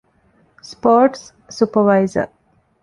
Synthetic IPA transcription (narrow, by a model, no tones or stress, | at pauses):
spɔːɾʈsː | upəʋaɪzə̰ɾ